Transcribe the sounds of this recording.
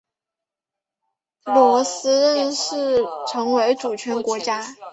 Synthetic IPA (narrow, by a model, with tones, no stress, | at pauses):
lwɔ˧˥sɹ̩˥ɻə˥˧nʂɻ̩˥˩ʈ͡ʂʰɤ˧˥ŋwe˧˥ɪʈ͡ʂu˨˩t͡ɕʰɥɛ˧˥nkwɔ˧˥t͡ɕja˥